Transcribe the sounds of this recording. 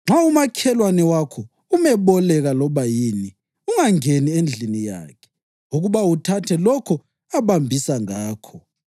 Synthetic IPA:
ŋ͡ǁʱaumakʰɛlwanɛwakʰɔ | umɛβɔlɛɣalɔβajini | uŋaŋeniend͡ɮʱinija̰ːkʰɛ̥ | uɣuβawutʰatʰɛlɔkʰɔ | aβambʱisaŋaːkʰɔ

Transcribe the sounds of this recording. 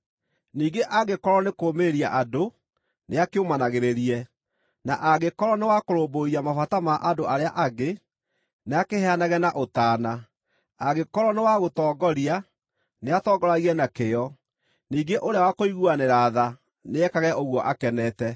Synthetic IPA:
niːɡeʔaɡekɔɾɔnekoːmeɾia̰ʔado | neakeomanaɣeɾeɾiɛ | naʔaɡekɔɾɔnewakoɾoːboɾiamafatamaʔadoaɾeaʔaɡe | neakehɛanaɣɛnaʔotaːna | aɣekɔɾɔnewaɣotɔːɡɔɾia | neatɔːɡɔɾaɣiɛnakeɔ | niːɡeʔoɾeawakoiɣuaneɾaða | neɛkaɣɛʔoɣwɔʔakɛnɛtɛ

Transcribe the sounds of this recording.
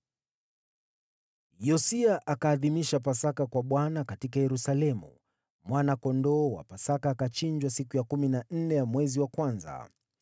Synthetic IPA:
jɔsiaʔakaːðimiʃapasakakwaɓwanakatikajɛɾusalɛmṵ | mwanakɔndɔːwa̰pasakaːkat͡ʃiɲd͡ʒwasikujakuminan̩nɛjamwɛziwakwanza̰

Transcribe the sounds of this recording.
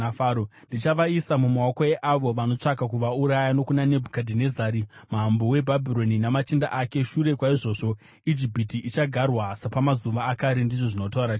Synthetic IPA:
aːɾondit͡ʃaʋaisamumaokoeʔaʋo̞ʋano̞t͡ʂaɡakuʋauɾajano̞kunane̞bʱukadʱinezaːɾimambowe̞bʱabʱiɾo̞ninamat͡ʃinda̰ʔake̞ʃuɾe̞kwaiʐo̞ːʐo̞ | id͡ʒibʱitiʔit͡ʃaɡʱarwasapamazuʋaːkaɾindiʐo̞ʐino̞tauɾa

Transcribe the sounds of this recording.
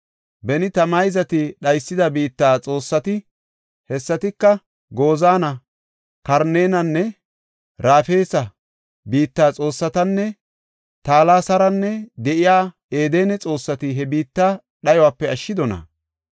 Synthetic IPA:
bɛnɪt̪ɐmɐjzɐt̪ɪɗɐjsːɪd̪ɐbiːt̪ːaːt͡sʼo̞ːsːɐt̪ɪ | hɛsːɐt̪ɪkːɐ | ɡo̞ːzaːnɐ | kɐɾne̞ːnɐnːɛ | ɾaːfeːsɐ | biːt̪ːaːt͡sʼo̞ːsːɐt̪ɐnːɛ | t̪aːlaːsɐɾɐnːɛd̪ɛʔɪjaː | e̞ːd̪e̞ːnɛt͡sʼo̞ːsːɐt̪ɪɦɛbiːt̪ːaː | ɗɐjɔwaːpːɛɐʃːɪd̪ɔnɐ̰

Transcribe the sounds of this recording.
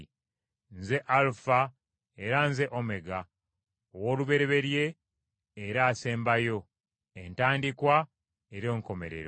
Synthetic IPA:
nze̞ʔalufa | eɾanze̞ʔome̞ɡa | owoːluβe̞ɾe̞βe̞ɾje̞ː | ɾaːse̞ːmbajo̞ | entaːndikwa | eɾo̞ːŋko̞me̞̰ɾe̞̰ɾo

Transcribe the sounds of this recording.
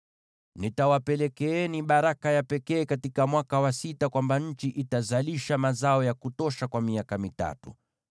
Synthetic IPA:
nitawapɛlɛkɛɛniɓaɾakajapɛkɛːkatikamwakawasitakwambaɲ̩t͡ʃiʔitazaliʃamazaɔjakutɔʃakwamiakamita̰tṵ

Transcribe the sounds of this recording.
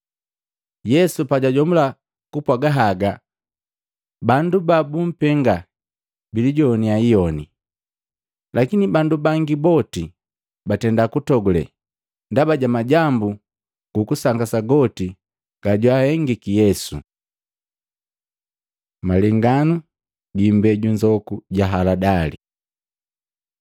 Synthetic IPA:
jɛsupaɟaɟɔmula | kupwaɡaɦaɡa | bandubabum̩pɛŋɡa | biliɟɔːniaijɔnḭ | lʔakinibandubaŋɡibɔti | batɛndakutɔɡulɛ̰ | ndabaɟamaɟambu | ɡ̥ukusaŋɡasaɡɔti | ɡ̥aɟwahɛŋɡikijɛsṵ | malɛŋɡanu | ɡimbɛɟuɲd͡ʒɔkuɟaɦaladalḭ

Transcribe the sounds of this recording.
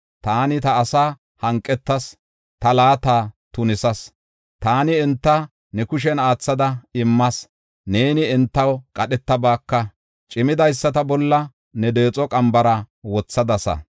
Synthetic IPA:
t̪aːnɪt̪ɐːsaː | hɐŋkʼːɛt̪ːɐs | t̪ɐlaːt̪aːt̪ʊnɪsɐs | t̪aːnɪɛnt̪ːɐ | nɛkʊʃ̬ɛnaːt͡sːɐd̪ɐɪmːɐs | ne̞ːnɪɛnt̪ːɐwkʼɐɗɛt̪ːɐbaːkːɐ | t͡ʃʼɪmɪd̪ɐjsːɐt̪ɐbɔlːɐ | nɛd̪e̞ːt͡sʼɔkʼɐmbɐɾɐwɔt͡sːɐd̪ɐsɐ̰

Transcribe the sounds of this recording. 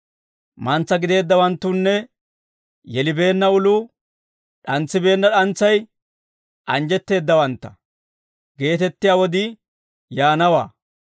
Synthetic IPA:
mɐnt͡sːɐɡɪd̪e̞ːd̪ːɐwɐnt̪ːuːnːɛ | jɛlɪbe̞ːnːɐʊlu | ɗɐnt͡sːɪbe̞ːnːɐɗɐnt͡sːɐj | ʔɐnd͡ʒɛt̪ːe̞ːd̪ːɐwɐnt̪ːɐ̥ | ɡe̞ːt̪ɛt̪ːɪjaːwɔd̪ɪ | jaːnɐwa̰ː

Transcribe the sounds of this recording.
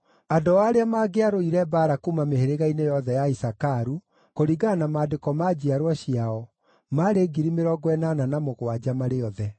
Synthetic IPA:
adowaːɾeamaːɡeaɾoiɾɛbaːɾakumameheɾeɣainejɔðɛjaisakaɾu | koɾiɡanamaːdekɔmad͡ʑiaɾwaɕiaɔ | maɾeɡiɾimeɾɔɡwɛnananamoɣwad͡ʑamaɾeɔðɛ

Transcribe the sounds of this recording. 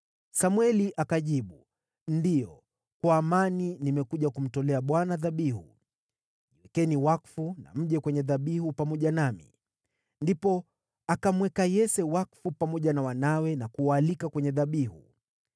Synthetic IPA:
samwɛliʔakaʄiɓu | ndijɔ | kwaːmaninimɛkuʄakum̩tɔlɛaɓwanaðaɓiɦṵ | iwɛkɛniwakfuna̰m̩ʄɛkwɛɲɛðaɓihupamɔʄanamḭ | ndipɔ | akamwɛkajɛsɛwakfupamɔʄanawanawɛnakuwaːlikakwɛɲɛðaɓiɦṵ

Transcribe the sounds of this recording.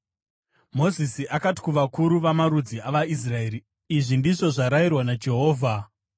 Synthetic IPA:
mo̞zisiʔakati̥kuʋakuɾuʋamaɾud͡ziaʋais̬rae̞ɾi | iʐindiʐo̞ʐaɾairwanad͡ʒe̞ɦo̞ːvʱa

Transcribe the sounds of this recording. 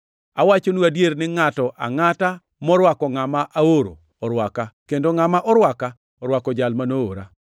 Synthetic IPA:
awat͡ʃonuadjeɾnɪŋatɔʔa̰ŋata | mɔɾwakɔŋamaʔaoɾo̰ | ɔɾwakakendoŋamaʔɔɾwaka | ɔɾwakɔd͡ʒalmanoo̰ɾa̰

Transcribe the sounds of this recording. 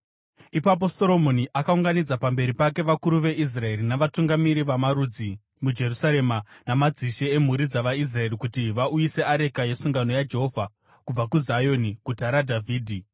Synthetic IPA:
ipap̬o̞so̞ɾo̞mo̞niʔakauŋɡanid͡zapambe̞ɾipake̞ʋakuɾuʋe̞ʔis̬rae̞rinaʋatuŋɡamiɾiʋamaɾud͡zi | mud͡ʒe̞rusaɾe̞manamad͡ziʃeem̤uɾid͡zaʋais̬rae̞rikutiʋaujise̞aɾe̞kaje̞suŋɡano̞jad͡ʒeɦo̞vʱa | kub͡vakuzajo̞nikutaɾadʱavʱiːdʱi

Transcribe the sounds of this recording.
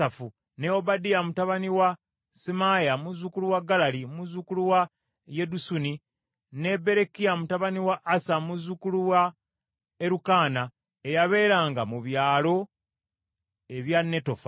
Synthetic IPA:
afu | neo̞badijamutaβaniwa | simajamuzukuluwaɡːalalimuzukuluwa | je̞dusuni | ne̞be̞ɾe̞kijamutaβaniwaʔːsamuzukuluwa | eɾukaːna | e̞jaβe̞ːɾaːŋɡamuβjaːlo̞ | e̞βjanːe̞to̞fa

